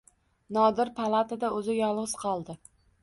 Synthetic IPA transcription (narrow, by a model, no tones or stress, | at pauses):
nɒd̪ɪɾpʰalˠat̪ʰad̪aɵzɪjɒlˠʁɨz̥qʰɒlˠd̪ɪ